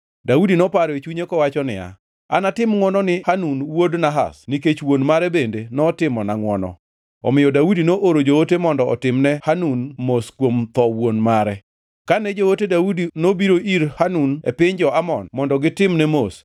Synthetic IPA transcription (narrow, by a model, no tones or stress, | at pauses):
daudinɔpaɾet͡ʃuɲekɔwat͡ʃɔnɪ̰a̰ | a̰natɪmŋwɔnɔnɪhanunwodnaɦa̰sniket͡ʃwonmaɾɛbendenɔtɪmɔnaŋwɔnɔ̰ | ɔ̰mɪjɔdaudinoʔoɾod͡ʒootemɔndɔɔtɪmnɛhanunmoskwomt̪ɔwonmaɾɛ | kanɛd͡ʒohotedaudinobiɾoʔiɾhanunḛpɪɲd͡ʒɔamɔnmɔndɔɡɪtɪmnɛmos